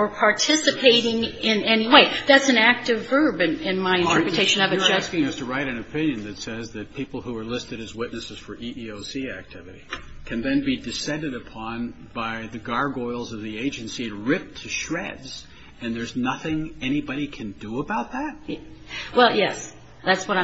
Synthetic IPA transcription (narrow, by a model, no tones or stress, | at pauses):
ə˞pʰɑɹtʰɪsɨpʰeɪɾɪ̃ŋɪ̃nɛniweɪðætsɨ̃næk̚tɨvɜ˞bɨ̃nɪ̃nmaɪɨ̃ntʰəɜ˞pɹɨtʰeɪʃɨ̃nʌvɨæskɪ̃ŋʌstʰɨɹaɪɾɨ̃nɨpʰɪ̃njɨ̃nðɨtsɛzðɨt̚pʰipl̩ˠhuə˞lɪstɨɾɨzwɪtⁿnɨsɨz̥fə˞ʔiʔioʊsiæk̚tʰɪvɨɾikʰɨ̃nðɨ̃nbidɨsɛ̃ndɨɾɨpʰɑ̃n | b̥aɪðɨɡɑɹɡɔɪlˠzʌvðieɪd͡ʒɨ̃nsiɨt̚ɹɪp̚tʰɨʃɹɛdz̥ | ɨ̃nðə˞znʌθɪ̃ŋɛɾ̃ibɑɾikʰɨ̃ndəəbaʊt̪̚ðæt̚ | wɛlˠjɛs | ðætswʌɾã